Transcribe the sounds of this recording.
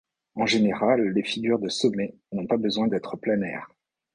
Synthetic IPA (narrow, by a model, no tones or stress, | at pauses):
ɑ̃ʒeneʁalːefiɡʲyʁd̪əsɔmɛ | nɔ̃pabəzwɛ̃d̪ɛt̪χəplɛnɛ̰ːʁ